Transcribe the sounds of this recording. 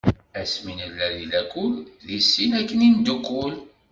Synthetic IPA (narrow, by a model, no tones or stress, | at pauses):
æsminəlːæðilækːulðisːinækːənind̪ukːʊl